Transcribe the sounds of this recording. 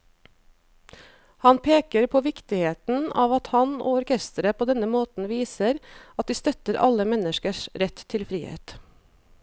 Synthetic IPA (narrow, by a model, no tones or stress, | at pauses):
hɑnpʰeːkəɾpʰoːʋɪkt̪ɪheːt̪n̩ɑːʋɑt̪hɑno̰ːʊɾkʰɛst̪əɾəpʰoːd̪ɛnəmoːt̪n̩ʋiːsəɾɑt̪̚d̪iːst̪œt̪əɾʔɑ̰ləmɛnəʃkəʃɾɛt̪tʰːɪlfɾiːhḛːt̪